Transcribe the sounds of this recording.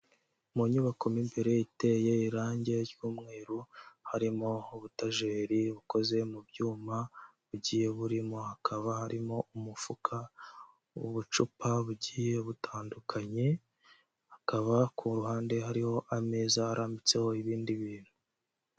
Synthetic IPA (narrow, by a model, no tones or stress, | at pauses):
muɲuβako̞mimbe̞ɾe̞ite̞ːjeiɾaːɲɟe̞ɾɟuːmŋe̞ːɾuhaɾimo̞uβutaʒeːɾiβuko̞ze̞mubɟuːmaβuɟiːje̞βuɾimo̞hakʰaβahaɾimo̞umufukʰa | uβut͡ʃupaβuɟiːje̞βutʰaːndukʰaɲe̞ | hakaβakʰuɾuɦhaːnde̞ɦaɾiho̞ʔameːzahaɾaːmbit͡se̞ho̞iβiːndiβiːn̥hu